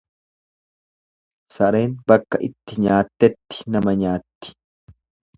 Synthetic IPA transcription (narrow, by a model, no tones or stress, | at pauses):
sɐɾe̞ːnbɐkːɐʔɪt̪ːɪɲaːt̪ːɛt̪ːɪ̥nɐmɐɲaːt̪ːɪ̥